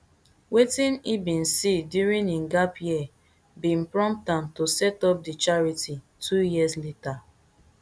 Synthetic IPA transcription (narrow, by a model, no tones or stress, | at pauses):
wetĩnibĩnsidjuɹĩninɡapjiɛ | bĩnpɹɔ̃mp̚tãntosɛtɔp̚dit͡ʃaɹitʰi | tʰujiəzleta